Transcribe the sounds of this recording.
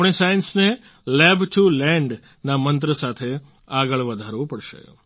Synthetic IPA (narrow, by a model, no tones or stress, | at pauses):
ɳ̃esajinsne | lɛbʈʰulɛ̃ɳɖ | namə̃nt̪̬ɾəsat̪ʰe | aɡəɭʋəd̪ʱaɾʋopəɽʃḛ